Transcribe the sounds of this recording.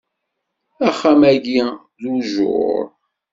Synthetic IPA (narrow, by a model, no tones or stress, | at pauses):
æχːæmæɡi | ðuʒʊ̰ɾˤ